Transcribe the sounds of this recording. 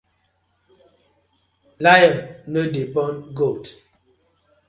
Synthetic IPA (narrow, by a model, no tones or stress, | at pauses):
lajɛnnədepɔnɡot